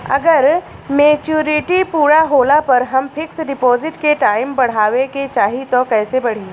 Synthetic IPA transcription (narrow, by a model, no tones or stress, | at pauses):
ɐ̰ɡəɾ | meːt͡ʃuːɾɪʈipuːɾaɦoːlapɐɾɦɐmpʰɪksɖɪpɔːzɪʈkeʈaːɪmbɐɽ̤aːʋeket͡ʃaːɦit̪okɛːsebɐɽ̤iː